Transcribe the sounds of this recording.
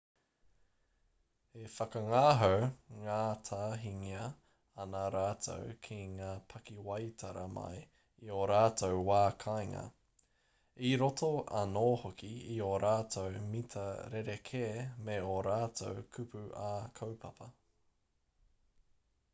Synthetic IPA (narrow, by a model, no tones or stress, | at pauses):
efɐkɐŋaːɦowŋaːtʰaːɦiŋiɐ | ɐnaɾaːtʰo̰wkʰiŋaːpʰɐkiwɐjtʰɐɾɐmɐ̰j | ioɾaːtʰowwaːkʰajŋɐ̰ | iɾotʰoɐ̰noːhokiioɾaːtʰowmitʰɐɾeɾekʰeːmeoɾaːtʰowkʰʉpʉʔaːkʰowpʰɐpʰɐ